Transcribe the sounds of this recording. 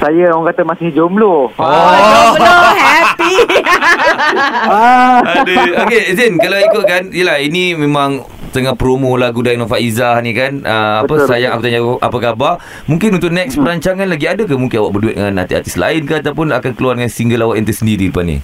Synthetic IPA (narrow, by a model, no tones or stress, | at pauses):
sajəɔŋkat̪əmasɪhd͡ʒomloɔsohapi | adəokezinkalaikukanjəlahinĩmẽmãŋ | t̪əŋahpɾomõlaɡudajnɔ̃faʔizahnĩkanəapəsajaŋakut̪aɲaa̰pakaba | mũŋkɪnunt̪ʊʔnɛkspəɾaɲt͡ʃaŋanlaɡiadək̬amũŋkɪnawaʔbərduɪt̪̚də̰ŋana̰t̪ia̰t̪isla̰ɪnkaat̪awpʊnakankəluardəŋansiŋɡəlawaʔjant̪əsəndiɾipanḭ̃